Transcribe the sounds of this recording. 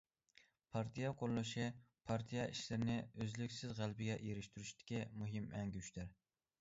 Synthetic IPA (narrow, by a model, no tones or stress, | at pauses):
pʰɑɾt̪ʰijɑqʰoɾlˠɨʃipʰɑɾt̪ʰijɑʔiʃlɪɾɪnɪøzlykʲsɪzʁælˠbɪɡʲɛʔjeɾɪʃt̪yɾyʃt̪ɪ̥kʲimuɦɪmɛŋɡʲyyʃd̪ɪɾ